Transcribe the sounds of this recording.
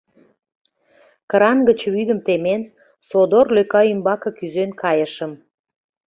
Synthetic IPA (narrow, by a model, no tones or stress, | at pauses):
kəɾɑnɡət͡ɕβyd̪əmt̪emen | sod̪orløkɑymbɑkɤ̆kyzønkʰɑjəʃəm